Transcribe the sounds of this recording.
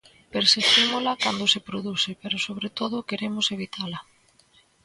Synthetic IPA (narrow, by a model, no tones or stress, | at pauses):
peɾsest̪imolakand̪osepɾoðusɪpeɾʊsoβ̞ɾet̪oð̞ʊkeɾemʊseβ̞it̪ʰalɐ